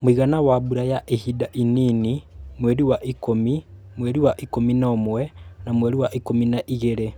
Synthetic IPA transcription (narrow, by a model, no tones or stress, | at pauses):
muiɣanawaβuɾajaʔehidaʔiniːnimweːɾiwaʔikomimweɾiwaʔikominoːmwenamweːɾiwaʔikominaʔiɣeɾe